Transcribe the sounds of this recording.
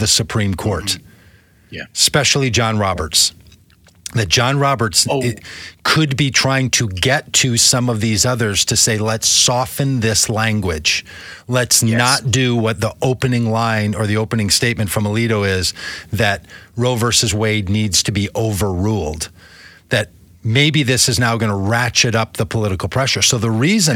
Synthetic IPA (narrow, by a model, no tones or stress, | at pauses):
ðɨsɨpʰɹ̥ĩmkʰɔɹt | spɛʃl̩ˠid͡ʒɑ̃nɹɑbə˞ts | ðɨt̚d̥ʒ̥ɑ̃nɹɑbə˞ts | kʰɨd̚bitʰɹ̥aɪɪ̃ŋtʰɨɡɛtʰɨsʌ̃mʌvðizʌðə˞z̥tʰɨseɪlɛtsɔfɨ̃nðɪslæ̃ŋɡwɪd̥ʒ̥ | lɛtsnət̚d̥ɨwʌt̪̚ðiʔoʊpɨnɪ̃ŋlãɪ̃nə˞ðioʊpɨnɪ̃ŋsteɪt̚mɨ̃ntfɹʌ̃məliɾoʊɪzðɨt̚ɹoʊvə˞sɨzweɪdⁿnidz̥tʰɨbiʔoʊvə˞ɹulˠd̪̚ | ðɨt̚ | meɪbiðɪsɨznaʊɡʌnəɹæt͡ʃɨɾʌp̚ðəpʰəlɪɾɨkl̩ˠpʰɹ̥ɛʃə˞soʊðəɹizɨ̃